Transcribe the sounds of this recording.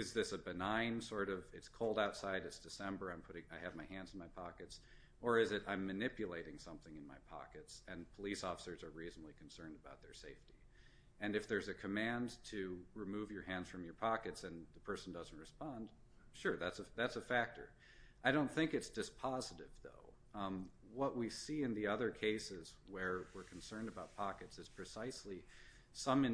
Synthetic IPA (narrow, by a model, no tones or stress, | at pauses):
ɨzðɪsəbɨnãɪ̃nsɔɹɾʌvɪtskʰoʊlˠdaʊtsaɪɾɨtsd̥ɨsɛ̃mbə˞ãɪ̃mpʰʊɾɪ̃ŋaɪɨvmaɪhæ̃ndzn̩maɪpʰɑkɨts | ə˞ɨzɨɾʔãɪ̃mːɨnɪpjɨleɪɾɪ̃ŋsʌ̃mθɪ̃ŋɨ̃nmaɪpʰɑ̰kɨtsɨ̃npʰəlisɔfə̥sə˞zə˞ɹiznəblˠikʰn̩sɜ̃˞ndəbaʊt̪̚ðə˞seɪfti | ɨ̃nɨfðə˞zɨkʰɨmæ̃ntʰɨɹɨmuvjə˞hæ̃ndz̥fɹʌ̃mjə˞pʰɑkɨtsɨ̃nðɨpʰɜ˞sn̩dʌz̃n̩t̚ɹɨspɑ̃nd̥ | ʃʊɹðætsəðætsɨfæk̚tʰə̰˞ | aɪɾõʊ̃nθɪ̃ŋkɨtsd̥ɨspʰɑzɨɾɪvðo̰ʊ | wʌʔ̚wisiɨ̃nðiʌðə˞kʰeɪsɪzwə˞wɪɹkʰn̩sɜ̃˞ndɨbaʊt̚pʰɑkɨtsɨz̥pʰɹ̥ɨsaɪsli | sʌ̃mɨ̃